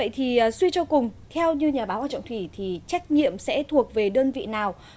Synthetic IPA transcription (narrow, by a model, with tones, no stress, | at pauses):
ə̰˧˨jt̪ʰiː˨˩˨swi˧t͡ɕɔ˧kʊ˨˩ŋ͡mt̪ʰɛ˧wɲɨ˧ɲaː˨˩ɓaː˨˦wʔaː˧˩t͡ɕɔ̰˧˨ŋ͡mt̪ʰwi˧˩t̪ʰi˨˩t͡ɕa˦˥k̟̚ɲḭ˧˨əmsɛ̰˧˥t̪ʰu˨˩ək̚ve˨˩ɗəː˧nvḭ˧˨naː˨˩w